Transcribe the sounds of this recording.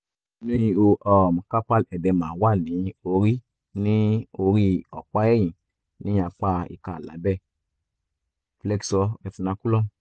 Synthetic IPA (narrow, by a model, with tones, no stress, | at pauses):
ne˦i˧o˧ʔɔ˨m˨ka˦pa˦lɛ˨dɛ˨mã˨wa˦˨nĩ˨˦o˧ɾi˦ | nĩ˦o˧ɾi˦ɔ̰˨k͡pa˦jɛ˦jĩ˨ | nĩ˦a˧k͡pa˦ḭ˧ka̰˦˨la̰˨˦bɛ˦˨ | flɛ˦ksɔ˧ɛ˨fi˧nã˧ku˦lɔ˦m˨